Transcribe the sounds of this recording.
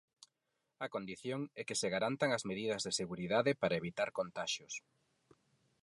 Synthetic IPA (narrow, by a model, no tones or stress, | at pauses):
ɐkond̪iθjoŋɛkɪseɣaɾant̪aŋɐzmeðiðɐzðeseɣuɾiðaðɪpaɾɐeβit̪aɾkont̪aʃʊs